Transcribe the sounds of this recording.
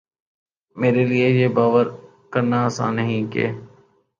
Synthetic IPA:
meːɾeliejeːbaːʋəɾ | kəɾnasã̰ːnəɦĩkḛː

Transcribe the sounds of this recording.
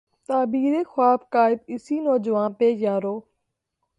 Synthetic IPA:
t̪aːbiːɾeːxwaːbkaːɪbɪsiːnɔːd͡ʒʋãːnpeːjaːɾoː

